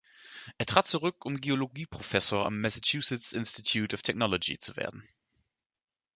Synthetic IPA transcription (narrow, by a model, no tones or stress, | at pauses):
ʔeːɐtʁ̥aːt̚t͡suʁʏkʊmɡeoloɡiːpʁ̥ofɛsoːɐʔa̰mːɛsat͡ʃjuːsɪtsʔɪnstitʰjuːtʊftʰɛknɔlod͡ʒḭt͡suvḛːɐdn̩